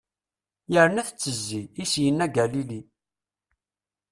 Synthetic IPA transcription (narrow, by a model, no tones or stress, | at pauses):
jəɾənæθt͡sːəzːiisjənːæɡælili